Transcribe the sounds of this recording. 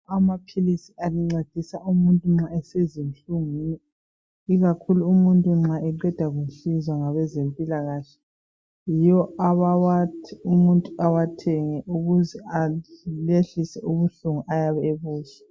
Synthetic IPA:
amapʰilisialiŋ͡ǀed̥ʱisaumuntʼuŋ͡ǁaɛsezinɬuŋiɛ | iɣakʰuluːmuntʼuŋ͡ǁaɛǃɛd̥ʱaɣuɬizwaŋaβɛzempʼilaɣaːɬɛ̥ | jijɔaβawatʰumuntʼuawatʰɛŋɛʔuɣuzɛaleɬisɛuβuɬuŋuʔajaβɛeβuːɬɛ̥

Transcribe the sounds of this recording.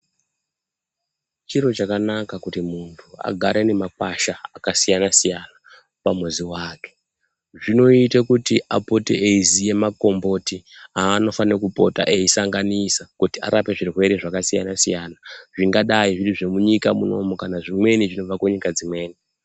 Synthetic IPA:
t͡ʃiɾo̞t͡ʃakanakakutimuntʰua̰ɡʱaɾene̞mak̚waʃaakasijanasijana | pamoziwaːke | ʐino̞itakutiʔapo̞teeizije̞mako̞mbo̞tiaːno̞fanokupo̞̰ta̰ʔeisaŋɡanisakutia̰ɾape̞ʐirwe̞ɾeʐakasija̰nasijanaʐiŋɡaɗaiʐiriʐe̞muɲikamuno̞mokanaʐimwe̞niʐino̞vakeɲikad͡zimwe̞ːni

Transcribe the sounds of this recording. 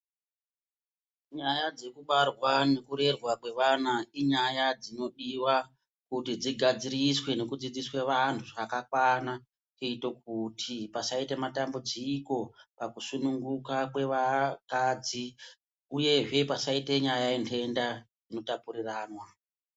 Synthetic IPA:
ɲajad͡ze̞kuɓarwane̞kuɾe̞rwakwe̞ʋanaiɲajad͡zino̞ɗiwa | kutid͡ziɡʱad͡ziriswe̞ne̞kud͡zid͡ziswe̞ʋantʰuʐakakwana | t͡ʃeito̞k̚utʰipasaitematambud͡ziko̞pakusunuŋɡukak̬we̞ʋakad͡zi | uje̞ʐe̞pasaite̞ɲajajintʰe̞ndad͡zino̞tapuɾiraːnwa

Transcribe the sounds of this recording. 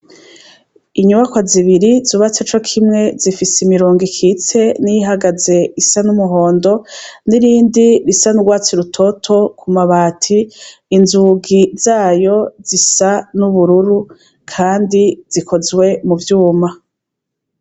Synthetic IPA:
iɲuβakwaziβiɾizuβat͡set͡ʃo̞kʰimŋe̞zifisimiɾoːŋɡikʰit͡se̞nijiɦaɡaze̞isanumuɦo̞ːndo̞niɾiːndiɾisanuɡwaːt͡siɾutʰo̞tʰo̞kʰumaβaːtʰiːnzuɡizaːjo̞zisanuβuɾuɾu | kʰaːndiz̥ikʰo̞zwe̞muvjuːma

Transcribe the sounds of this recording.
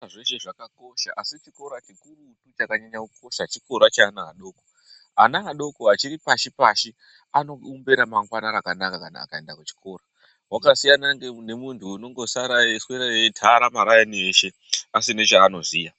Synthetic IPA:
ʐeʃeʐakako̞ʃaʔasit͡ʃiko̞ɾat͡ʃikurutut͡ʃakaɲaɲakukʰo̞ʃat͡ʃiko̞ɾat͡ʃaːnaɦaɗo̞ːko̥ | ɦanaɦaɗo̞koɦat͡ʃiɾipaʃipaʃi | ano̞umbe̞ɾamaŋɡwanaɾakanakakana̰kae̞ndakut͡ʃi̥kʰo̞ːɾa | wakasijanaŋɡene̞muntʰuːno̞ŋɡo̞saɾaesweɾajetʰaɾamaɾajanieʃe̞ | asine̞ʐaːno̞ziːja

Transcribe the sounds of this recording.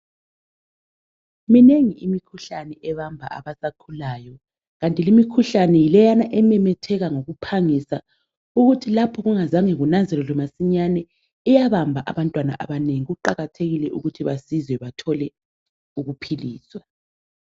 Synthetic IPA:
mineŋiimikʰuɬanɛʔɛβambʱa̰a̰βasakʰulaːjɔ | ɣantʼilimikʰuɬanɛjilɛjanaʔɛmɛmɛtʰɛɣaŋoɣupʰaŋisa | uɣutʰilapʰɔɣuŋazaŋeɣunanzʱɛlɔlɔmasiɲanɛ | ɛjaβambʱaʔa̰βantʼwana̰ʔa̰βaneŋiɣuǃaɣatʰeɣilɛʔṵɣutʰiβasizwɛβatʰɔlɛ | uɣupʰiliːswa

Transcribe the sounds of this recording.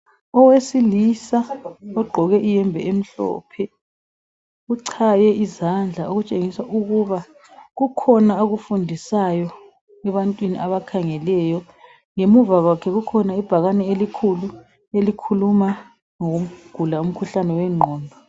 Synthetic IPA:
ɔwesilisaɔɡ͡ǃʱɔɣɛʔijɛmbʱɛem̩ɬɔ̰ːpʰɛ | uǀʰajɛʔizand͡ɮʱaoɣut͡ʃʼeŋisaʔuɣuβa | ɣukʰɔnaoɣufundʱisajɔ | ɛβantʼwinḭʔaβakʰaŋɛlɛjɔ | ŋemuvaɣwakʰɛɣukʰɔnaib̥ʱaɣanɛelikʰulu | elikʰuluma | ŋoɣuɡ̥ʱulaum̩kʰuɬanɛwɛŋ͡ǃʱɔːmbʱa

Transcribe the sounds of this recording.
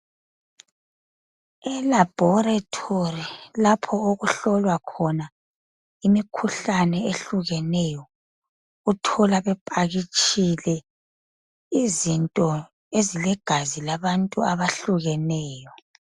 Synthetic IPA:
ɛlab̥ʱɔratʰorilapʰɔoɣuɬɔlwakʰɔna | imikʰuɬanɛeɬuɣɛnɛjɔ | utʰɔlaβɛpʼaɣit͡ʃʼilɛ | izintʼɔ | ezilɛɡ̥ʱazilaβantʼuaβaɬuɣɛnɛːjɔ

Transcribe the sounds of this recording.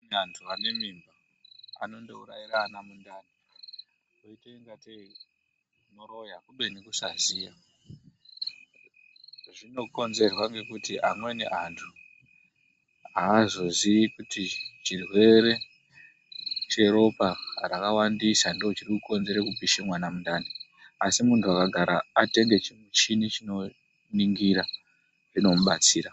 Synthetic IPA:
nantʰuane̞mimba | a̰no̞ndo̞uraiɾaːnamundani | oiteiŋɡatei | no̞ɾojakuɓenekusazija | ʐino̞ko̞nze̞rwaŋɡe̞kutiʔamwe̞ne̞̰ʔantʰu | aːzo̞ziikutit͡ʃirwe̞ɾe̞ | t͡ʃe̞ɾo̞parakawandisandoot͡ʃirikuko̞nze̞ɾekupiʃimwanamundani | asimuntʰuakaɡʱaɾaate̞ŋɡe̞t͡ʃimut͡ʃinit͡ʃino̞ | niŋɡiɾa | ʐino̞muɓat͡siːɾa

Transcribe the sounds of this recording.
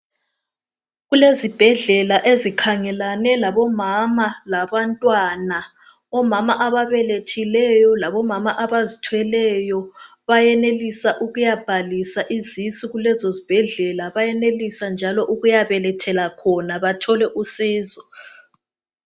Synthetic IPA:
ɣulezib̥ʱɛɮɛlaʔezikʰaŋɛlanɛlaβɔmamalaβantʼwana | ɔmamaʔaβaβɛletʰilɛjɔlaβɔmamaʔaβazitʰwɛlɛjɔ | βajɛnelisaʔuɣujab̥ʱalisaʔizisiɣulɛzozib̥ʱɛɮɛlaβajɛnelisand͡ʒʱalɔʔuɣujaβɛlɛtʰɛlakʰɔnaβatʰɔlɛʔusiːzɔ

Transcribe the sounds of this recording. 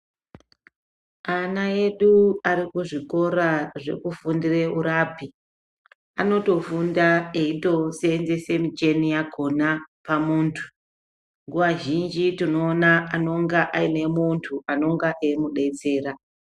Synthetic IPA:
anae̞ɗuaɾikuʐiko̞ɾaʐe̞̰kufundire̞uɾaːpi | ano̞to̞fundaeito̞seːnze̞se̞mut͡ʃe̞nijako̞napamuːntʰu̥ | ŋɡuʋaʒind͡ʒitino̞ːnaano̞ŋɡaʔaine̞muntʰuʔano̞ŋɡaʔeimuɗe̞t͡se̞ːra

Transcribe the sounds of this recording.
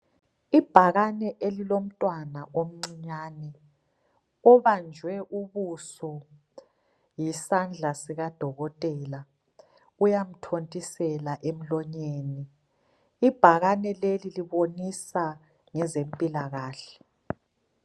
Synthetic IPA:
ib̥ʱaɣanɛʔelilom̩tʼwanaʔom̩ŋ͡ǀiɲaːnɛ | ɔβand͡ʒʱwɛʔuβusɔ | jisand͡ɮʱasiɣad̥ʱɔɣɔtʼɛːla | ujam̩tʰontʼisɛlaʔem̩lɔɲeːniː | b̥ʱaɣanɛleliliβonisa | ŋɛzempʼilaɣaːɬɛ̥

